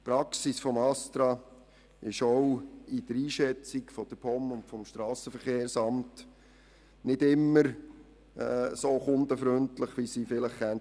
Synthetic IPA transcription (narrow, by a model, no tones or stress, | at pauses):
pɾɑksisfɔmɑst̪ɾɑ | ɪʃɔwid̥əɾiːʃɛt͡sikfɔd̥əpʰɔmʊntfɔmʃtɾɑːsəfəɾχeːɾsɑmt | nɪdɪmːəɾ | ɛsoːχʊnd̪əfɾʏntləχʋisifɪləχːɛn